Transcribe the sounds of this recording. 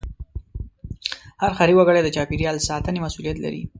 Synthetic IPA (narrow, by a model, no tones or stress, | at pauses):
haɾxaɾiwaɡəɽed̪ət͡ʃɑpiɾjɑlsɑt̪ənemasulijat̪la̰ɾḭ